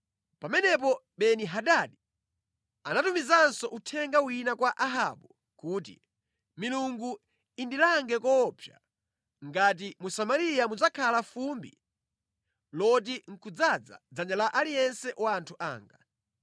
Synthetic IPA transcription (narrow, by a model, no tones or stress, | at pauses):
pamɛnɛp̬ɔ | ɓɛniɦaɗaɗi | anatumizansɔʔutʰɛŋɡawinakwaʔaɦa̰ɓu | kuːt̬ḭ | miluŋɡu | indilaŋɡɛkɔpʰja̰ | ŋɡat̬imusamaɾijamud͡zakʰalafumbḭ | lɔt̬iŋ̩kʰud͡zad͡za̰d͡zaɲalaʔalijɛnsɛʔwaːntʰuʔa̰ːŋɡa